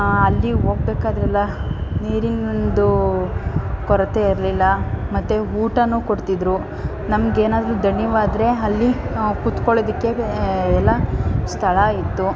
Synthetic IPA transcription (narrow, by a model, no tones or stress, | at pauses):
ɐlːiɦo̞ːɡ̚beːkaːd̪ɾɛlːɐniːɾinond̪u | kɔɾɐt̪e̞iɾlilːɐmɐt̪ːeɦuːʈɐnuːkoɽt̪id̪ɾu | nɐmɐɡeːnaːd̪ɐɾud̪ʱɐɳjɐʋaːd̪ɾe̞ɐlːikut̪koɭoːd̪ikːe̞ɛlːɐst̪ʰɐɭɐit̪ːu